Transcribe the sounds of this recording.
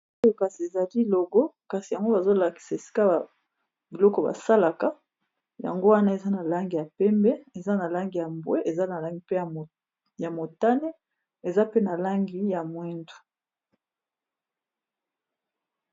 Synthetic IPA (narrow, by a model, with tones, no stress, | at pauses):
o˦jo˦ka˨si˨e˨za˨li˦lo˨ɡɔ˦ka˨si˨ja˨ŋɡo˦ba˨zo˦la˨ki̥˨sa˨e˨si̥˦ka˦b | bi˨lɔ˦kɔ˨ba̰˨sa˦la˨ka˦ | ja̰˨ŋɡo˦wa˦na˦e˨za˦na˨la˦ŋɡi˨ja˨pɛ˦mbɛ˦e˨za˦na˨la˦ŋɡi˨ja˨mbwe˦ʔe˨za˦na˨la˦ŋɡi˨pe˦˨ | ja˨mo˨ta˦ne˦ | e˨za˦pe˦na˨la˦ŋɡi˦ja˨mwɛ˦ndu̥˨